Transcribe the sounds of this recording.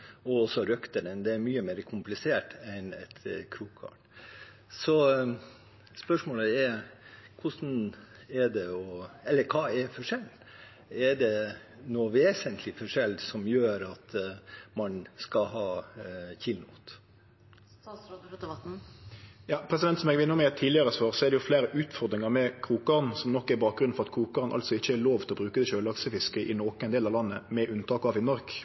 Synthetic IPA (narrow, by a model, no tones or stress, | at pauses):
ɔɔsːɔɾœkt̪əɾənd̪ɛæɾmyːəmeːɾəkʰʊmplɪseːʈɛnɛ̰t̪kʰɾuːkʰɑ̰ɳ | sɔ | spœʂmoːləɛɾkʰʊʂn̩ɛɖ̪ɛɔɛlːəɾkʰɑːɛɾfɔʂɛl | ɛɖɛ | noːʋeːsənt̪ʰlɪfɔʂɛld̪sɔmjøːɾɑt̪mɑnskɑhɑːçɪlnut̪ | jɑːpʰɾɛsɪd̪ɛnt̪sɔmɛɡʋɪnəmɛɛt̪ʰiːlɪɑʁəsʋøːʁsɔæʁd̪ɛjʊfleːɾəʔʉːt̪fɔʁd̪ɾɪŋɑɾmɛkʰɾuːkɑʁnsɔmnɔkːæɾbɑːk̚ɡɾʉnfɔʁɑt̪kʰuːkɑʁnʔɑ̰lt̪sɔɪçːəæɾloːʋt̪ɪlɔbɾʉːkəd̪ɛʃøːlɑksəfɪskəʔɪnoːkəɛɪnd̪eːlɑʋlɑnːəmɛʔʉnt̪ʰɑːkɑʋɪnɔɾk